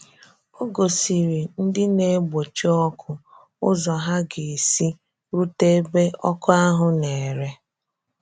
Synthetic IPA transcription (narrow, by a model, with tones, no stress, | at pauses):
o˦ɡo˨si˨ɾi˨n̩˦dɪ˦ne˦ɡ͡bo˨t͡ʃe˦ɔ˦kʰʊ˦ | ʊ̰˦zɔ˨ɦa˦ɡe˨e˨si˦ | ɾu˦te˦be˦ɔ˦kʊ˦a˦ɦʊ˨ne˨ɾe˦